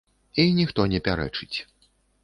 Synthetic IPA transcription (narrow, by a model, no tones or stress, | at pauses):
inʲixt̪ɔnʲɛpʲaɾɛ̰t͡ʂɨt͡sʲ